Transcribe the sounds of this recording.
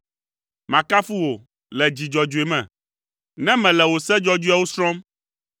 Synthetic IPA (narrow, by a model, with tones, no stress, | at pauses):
mã˨ka˦fu˦wo˨ | lɛ˨d͡ʑi˨d͡ʒɔ˨d͡ʒu˨e˨mɛ̰̃˨ | nɛ̃˦mɛ̃˨lɛ˨wo˨sɛ˦d͡ʒɔ˦d͡ʒu˦a˦wo˦sɾɔ̃˦m